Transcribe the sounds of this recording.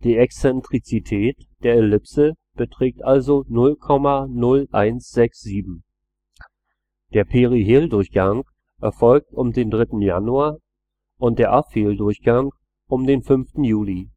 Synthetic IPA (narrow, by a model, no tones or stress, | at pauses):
d̥iːɛksɛntʁ̥it͡sitʰɛːtd̥eːɐelɪpsə | b̥ətʁ̥ɛːk̚tʔalzonʊlkʰɔmanʊlʔaɪnsz̥ɛksz̥iːbm̩ | d̥eːɐpʰeʁiɦeːldʊɐçɡ̥aŋ | ʔɛɐfɔlk̚tʊmdeːndʁɪtn̩ja̰nuaːɐ | ʔʊnt̚d̥eːɐʔafeːldʊɐçɡ̥aŋ | ʔʊmdeːnfʏnftn̩juːli